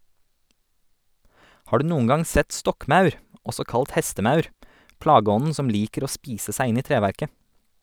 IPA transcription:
ˈhɑː ˈɖʉː ˈnuːŋ̍ ˈɡɑŋ ˈsɛt ˈstɔkˌmɑʉɾ ˈɔsɔ ˈkɑlt ˈhɛstəˌmɑʉɾ ˈplɑːɡəˌɔnn̩ ˈsɔm ˈliːkəɾ ˈoː ˈspiːsə ˈsæɪ ˈɪn ˈiː ˈtɾeːʋæɾkə

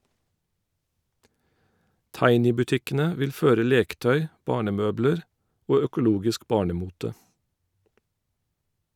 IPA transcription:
ˈtɑɪnɪbʉˌtɪkənə ˈʋɪl ˈføːɾə ˈleːkəˌtœʏ ˈbɑːɳəˌmøːbləɹ ˈʔoː œkʊˈluːɡɪsk ˈbɑːɳəˌmuːtə

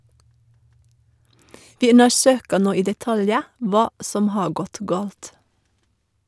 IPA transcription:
ˈʋɪ ˈʉnəˌsøːkə ˈnoː ˈiː dɛˈtɑljə ˈʋɑː ˈsɔm ˈhɑː ˈɡɔt ˈɡɑːlt

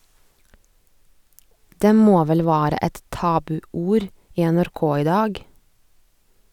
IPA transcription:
ˈdeː ˈmoː ˈʋɛl ˈʋæːɾə ˈɛt ˈtɑːbʉˌuːɾ ˈiː ɛnæɾˈkoː ˈiː ˈdɑːɡ

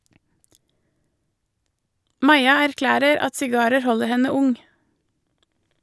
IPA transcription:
ˈmɑɪɑ æɾˈklæːɾəɾ ˈɑt sɪˈɡɑːɾəɾ ˈhɔləɾ ˈhɛnə ˈʊŋ

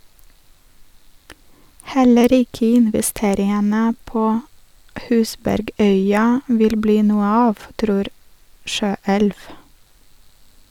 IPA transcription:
ˈhɛləɾ ˈɪkə ɪnʋɪˈsteːɾɪənə ˈpoː ˈhʉːsbæɾˌɡœʏɑ ˈʋɪl ˈbliː ˈnuːə ˈɑːʋ ˈtɾuːɾ ˈʃøːɛlʋ

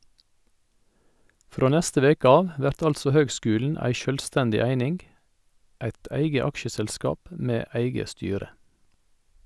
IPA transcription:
ˈfɾoː ˈnɛstə ˈʋeːk ˈɑːʋ ˈʋæɾt ˈɑlsɔ ˈhøːɡˌskʉːln̩ ˈæɪ ˈʃœlˌstɛndɪ ˈæɪnɪŋ ˈæɪt ˈæɪɡə ˈɑkʃəsɛlˌskɑːp ə ˈmeː ˈæɪɡə ˈstyːɾə

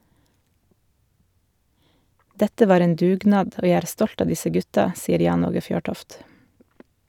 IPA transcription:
ˈdɛtə ˈʋɑːɾ ˈeːn ˈdʉːˌɡnɑːd ˈoː ˈjæ ˈæːɾ ˈstɔlt ˈɑː ˈdɪsə ˈɡʉtɑ ˈsiːəɾ ˈjɑːn ˈoːɡə ˈfjøːˌʈɔft

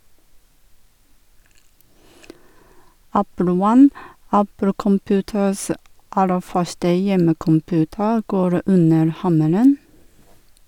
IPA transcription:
ˈæpl̩ ˈwɑn ˈæpl̩ kɔmˈpʉːtəs ə ˈʔɑlə ˈfœʃtə ˈjɛməkɔmˌpʉːtə ˈɡoːɾ ˈʉnəɾ ˈhɑməɾən

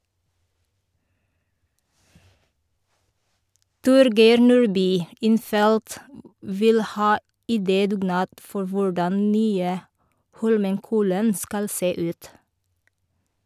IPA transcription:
ˈtʊɾɡeɪɾ ˈnuːɹˌbyː ˈɪnˌfɛlt ˈʋɪl ˈhɑː ɪˈdeːdʉːˌɡnɑːt ˈfɔɾ ˈʋʊɹdɑn ˈnyːə ˈhɔlməŋˌkɔlən ˈskɑl ˈseː ˈʉːt

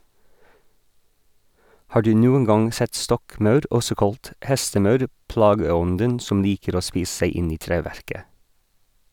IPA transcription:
ˈhɑː ˈɖʉː ˈnuːən ˈɡɑŋ ˈsɛt ˈstɔkˌmɑʉɾ ˈɔsɔ ˈkɑlt ˈhɛstəˌmɑʉɾ ˈplɑːɡəˌɔndən ˈsɔm ˈliːkəɾ ˈoː ˈspiːs̩ ˈsæɪ ˈɪn ˈiː ˈtɾeːˌʋæɾkə

